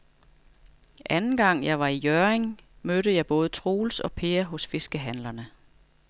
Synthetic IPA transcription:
ʔænn̩ɡ̥ɑ̈ŋ̰jɑ̈ɪʋɑ̈ijœɐeŋmøɾəjɑ̈ɪb̥ɔ̽ːð̞̩ˠət͡sʰʁo̝ːlsɒ̽pʰeːɐɦɔ̽sfe̝sɡ̥əɦænlɐnə

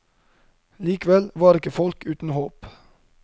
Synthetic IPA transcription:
liːkʋɛlʋɑːɾɪkəfɔlkʉːt̪n̩hoːp

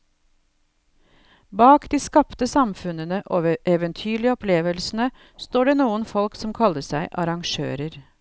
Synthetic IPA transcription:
bɑːkd̪iːskɑpt̪əsɑmfʉnənəʔoːʔɛʋənt̪ʰyːɭɪəɔpleːʋəlsn̩ə | st̪oːɖeːnuːənfɔlksɔmkʰɑləsæɪʔɑɾɑŋʃø̰ːɾəɾ

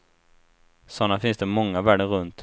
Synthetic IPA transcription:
sɔnːafɪnsd̪ɛmɔŋːavæːɖəɾɵnt̪

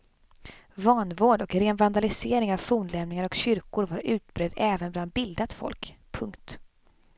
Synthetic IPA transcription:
vɑːnvoːɖɔkɾeːnvand̪alɪseːɾɪŋavfuːnlɛmnɪŋaɾɔkɕʏɾkʊɾvaɾʉ̟ːt̪bɾœd̪ɛːvənbland̪̚bɪld̪at̪fɔ̰lkpʰɵŋkt̪

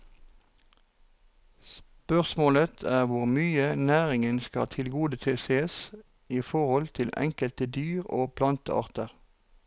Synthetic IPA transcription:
spœʁsmoːlət̪ʰæːʁʋʊʁmyːənæːʁɪŋənskɑ̰t̪ʰɪlɡuːd̪ət̪ʰeːseːs | iːfɔʁhɔlt̪ʰɪlɛ̰ŋkəlt̪əd̪yːʁo̰ːpʰlɑnt̪ə̰ɑ̰ːʁt̪əʁ

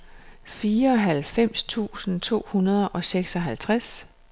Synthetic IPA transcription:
fiːɐɒ̽ɦælfem̰st͡sʰṵːsn̩t͡sʰo̝̰ːhunɐð̞ˠʔɒ̽seɡ̥sɒ̽ɦælt͡sʰʁas

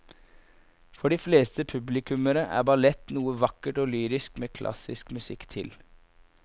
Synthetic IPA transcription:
fɔɖiːfleːst̪əpʰʉblɪkʰʉməɾəʔæ̰ːbɑlɛt̪nuːəʋɑkəʈoːlyːɾɪskmeːkʰlʔɑ̰sɪskmʉsɪkt̪ʰɪl

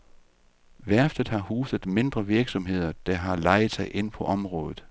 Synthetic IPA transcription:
ʋæɐfd̥ð̩ˠhɑ̈huːsəð̩ˠme̝nd̥ʁɐʋiɐɡ̥sɒ̽mɦe̝ð̞̰ˠɐd̥ɑɦɑ̈lɑ̈ɪð̩ˠsɑ̈ɪʔe̝n̰pʰɒ̽ʔɒ̽mʁɔ̽ːðˠð̩ˠ

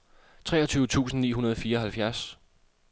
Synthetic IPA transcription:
t͡sʰʁɛ̰ːɒ̽t͡sʰyːʊət͡sʰṵːsn̩nḭːɦunɐð̞ˠɒfiːɐɒ̽hælfjæɐs

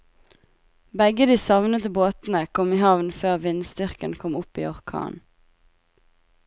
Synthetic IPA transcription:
bɛɡəd̪iːsɑʋnəd̪əboːt̪n̩əkʰɔmiːhɑʋnføːʁʋɪnst̪ʏʁkənkʰɔmʊpiːɔʁkʰɑ̰ːn

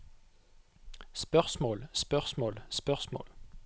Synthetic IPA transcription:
spœʁsmoːlspœʁsmoːlspœʁsmo̰ːl

